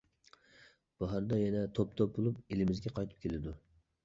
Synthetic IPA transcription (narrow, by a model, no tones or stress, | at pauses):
b̥ɑɦɑɾd̪ɑjɛnɛt̪ʰop̚t̪ʰɔp̚bolˠupelɪmɪzɡʲɛqʰɑjt̪ʰɨ̥p̚kʲʰelɪd̪ʊ